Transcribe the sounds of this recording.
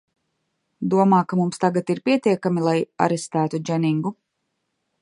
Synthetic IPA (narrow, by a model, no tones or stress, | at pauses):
d̪uɔmaːkamumst̪aɡat̪iɾpiɛt̪iɛkamilˠaja̰ɾest̪æːt̪ud͡ʒɛniŋɡu